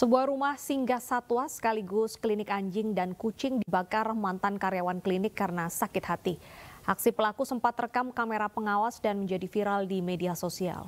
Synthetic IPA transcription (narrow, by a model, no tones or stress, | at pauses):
səbuahɾumahsiŋɡasat̪wasə̥kaliɡʊsklinɪkaɲd͡ʒɪŋdankut͡ʃɪŋdibakarmant̪ankaɾjawanklinɪkːaɾənasakɪt̪̚hat̪iʔak̚sipəlakusəmpat̪rəkamkameɾapəŋawasdanməɲd͡ʒadifiɾaldimediasosia̰l